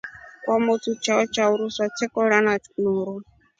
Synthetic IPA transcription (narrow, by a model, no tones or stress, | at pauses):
kwamotʰut͡ʃʰaɔt͡ʃʰauɾuswat͡ʃʰɛkʼɔɺanat͡snuːɾɔ